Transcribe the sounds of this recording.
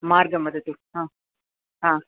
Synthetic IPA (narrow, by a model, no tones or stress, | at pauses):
maːɾɡɐmɐd̪ɐt̪ːuhãː | ɦãː